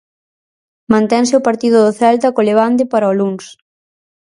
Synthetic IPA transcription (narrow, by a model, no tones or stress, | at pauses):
mãnt̪ɛŋsɪʊpaɾt̪iðʊðʊθɛlt̪ɐkoleβ̞ant̪̬ɪpaɾɐɔluŋs